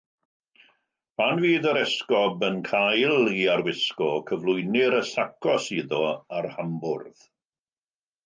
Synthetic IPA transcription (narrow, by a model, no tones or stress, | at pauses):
b̥anviːðəɾɛskɔbənkʰajlˠiarwɪskɔkʰəvlˠʊɨnɪɾəsakʰɔsiðɔarhambʊrð̥